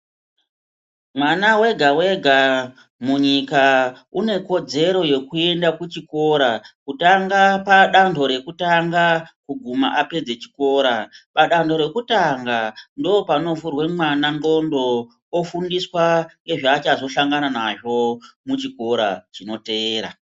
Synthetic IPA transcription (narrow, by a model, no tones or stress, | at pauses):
mwanawe̞ɡʱawe̞ɡʱa | muɲika | une̞ko̞d͡ze̞ɾo̞je̞kue̞ndakut͡ʃiko̞ːɾakutaŋɡapaɗandʱo̞ɾe̞kutaŋɡakuɡʱuma̰ʔape̞d͡ze̞t͡ʃi̥ko̞ːɾapaɗandʱo̞ɾe̞kutaŋɡandoːpano̞vurwe̞mwanaŋɡo̞ndo̞ | ofundiswaŋɡe̞ʐaːt͡ʃazo̞ʃaŋɡananaʐo̞mut͡ʃiko̞ɾa̰t͡ʃino̞te̞ːɾa̰